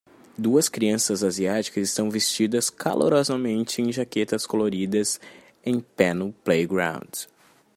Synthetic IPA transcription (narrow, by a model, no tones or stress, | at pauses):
d̪uɐskɾiɐ̃sɐzaziat͡ʃi̥kɐzɪst̪ɐ̃w̃vest͡ʃid̪ɐskʰa̰lʔo̰ɾɔzɐmẽnt͡ʃɪẽj̃ʒaket̪ɐskoloɾid̪ɐz | ẽj̃pɛ̃nʊplejɡɾã̰w̃nd